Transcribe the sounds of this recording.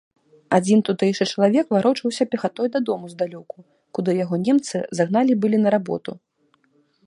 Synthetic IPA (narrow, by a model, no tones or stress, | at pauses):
ad͡zʲint̪ut̪ɛjʂɨt͡ʂɐlˠavʲɛkvaɾɔt͡ʂɐwsʲɐpʲɛxat̪ɔjd̪ɐd̪ɔmuzd̪alʲɔku | kud̪ɨjaɣɔnʲɛmt̪sɨzaɣn̪alʲibɨlʲinɐɾabɔ̰t̪u